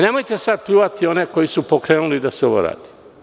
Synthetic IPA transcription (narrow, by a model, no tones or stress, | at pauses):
ne̞mojt̪e̞sad̪̚pluːʋat̪io̞ne̞ko̞jisupo̞kɾeːnulid̪aseo̞ʋo̰ɾa̰ːd̪̥i̥